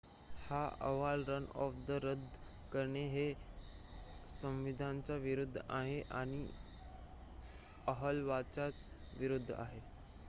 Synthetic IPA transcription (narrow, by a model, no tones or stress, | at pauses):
haə̰ʋalɾənɔ̰fd̪əɾəd̪ʱ | kəɾɳeɦe | sə̃mʋid̪ʱant͡saʋiɾud̪ʱːaɦeʔaɽ̃i | əɦəlʋat͡sat͡s | ʋiɾud̪ʱːa̰ɦe